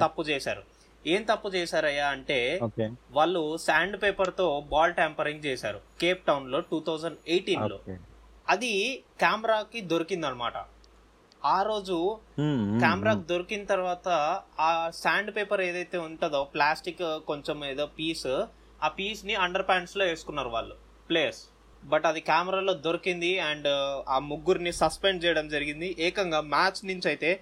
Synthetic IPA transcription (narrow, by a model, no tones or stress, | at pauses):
t̪ɐpːut͡ʃɛːʃa̰ːɾṵ | eːmt̪ɐpːut͡ʃɛːsaːɾɐjːaːɐɳʈe̞ːokːʋaːɭːusaːɳɖpeːpɐɾt̪o̞ːbaːlʈempɐɾiŋɡ̚t͡ʃɛːsaːɾṵkeːp̚ʈɐwnlo̞ːʈuːt̪ʰɐwd͡ʒɐɳɖejʈiːnlo̞̰ː | ɐd̪ikaːmɾaːkid̪o̞ɾikind̪ɐnma̰ːʈɐ̰ | aːɾo̞ːd͡ʒu | kkaːmɐɾaːkid̪o̞ɾikinɐt̪ɐɾʋaːt̪ɐaːsaːɳɖpeːpɐɾeːd̪ɐjt̪e̞ːuɳʈɐd̪oːplaːsʈikːko̞ɲt͡ʃomeːd̪o̞ːpiːs | aːpiːsniɐɳɖɐɾpaːɳslo̞ːe̞ːsu̥kunːaːɾuʋa̰ːɭːu | pleːs | bɐʈɐd̪ikaːmɐɾaːlo̞ːd̪o̞ɾikind̪iɐɳɖaːmuɡːuɾnisɐspeɳɖt͡ʃɛːjɐɽɐmd͡ʒɐɾiɡind̪iʔɛːkɐŋɡaːmaːt͡ʃnuɲt͡ʃɐjt̪e̞ː